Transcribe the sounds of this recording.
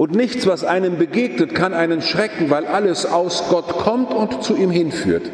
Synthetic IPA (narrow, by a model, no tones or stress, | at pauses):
ʔʊntnɪçt͡sv̥asʔaɪnəmbəɡeːɡnətkʰanʔaɪnənʃʁ̥ɛkŋ̩vaɪlʔaləsaʊsɡ̥ɔtkʰɔmtʊntt͡suiːmhɪnfy̰ːɐt